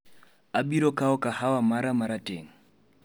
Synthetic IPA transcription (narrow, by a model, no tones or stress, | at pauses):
abiɾɔkaɔkahawamaɾamaɾatʼeŋ̩